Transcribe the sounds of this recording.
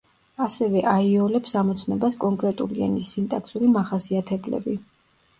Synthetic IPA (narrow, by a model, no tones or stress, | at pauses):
asɛvɛʔaiɔlɛpsamɔt̪sʰnɛbaskʼɔŋkʼɾɛt̪ʼṵlianisint̪ʼakʰsuɾimaχasiat̪ʰɛblɛ̰bi